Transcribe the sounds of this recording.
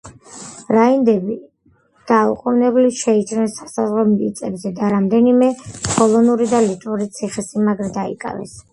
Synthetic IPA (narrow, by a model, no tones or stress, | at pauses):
ɾaind̪ɛbi | d̪̥auqʼunɛbliʃɛit͡ʃʰnɛnsḁsazʁɔmʼit̪sʼɛbzɛd̪aɾamd̪ɛnimɛpʰɔlˠɔnuɾid̪alit̪ʼuɾit̪sʰiχɛsimaɡɾɛd̪aḭkʼa̰vɛ̰s